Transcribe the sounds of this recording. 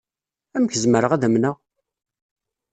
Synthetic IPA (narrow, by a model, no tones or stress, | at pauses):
æmçəzməɾəʁæðəmnəʁ